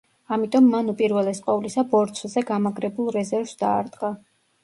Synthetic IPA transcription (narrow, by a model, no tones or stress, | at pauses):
amit̪ʼɔmːanupʼiɾvɛlɛsqʼɔvlisabɔɾt̪sʰzɛɡamaɡɾɛbulˠɾɛzɛɾvsd̪̥aːɾd̪qʼa